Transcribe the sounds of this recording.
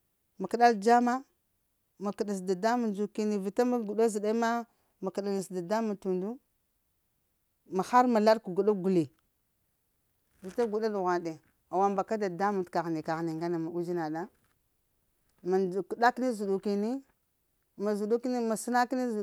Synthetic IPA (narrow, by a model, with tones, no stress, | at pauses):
ma˨ki˨ɗa˦ld͡ʒa˦ma˦ | ma˨ki˨ɗa˨s̬da˨da˦mu˨nd͡ʒu˨ki˦ni˨vi˨ta˦ma˦ɡu˨ɗa˦zi˨ɗa˦ma˦ | ma˨ki˨ɗa˨ni˨sda˨da˦mu˨tu˨ndu˦ | ma˨xa˦ɾma˨la˦ɾku˨ɡu˨ɗa˦ɡu˨li˨ | vi˨ta˦ɡu˨ɗa˦du˨ɣʷa˨n˨de˨ | a˨wa˦mba˨ka˦da˨da˦mu˨ka˨ɣni˨ka˨ɣni˨ŋɡa˦na˨ma˨u˦d͡ʒi˦na˨ɗa˦ | ma˨ku˨da˦kni˦zu˨ɗu˨ki˨ni˦ | ma˨zu˨ɗu˦ki˦ni˦ma˨si˦na˦kni˦z